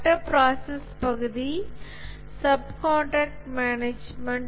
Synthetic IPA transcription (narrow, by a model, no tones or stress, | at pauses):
ʈɐpɾaːsɐspɐɣɐd̪i | sɐbkoːɳʈaːk̚ʈmaːneːd͡ʒmɐɳɖ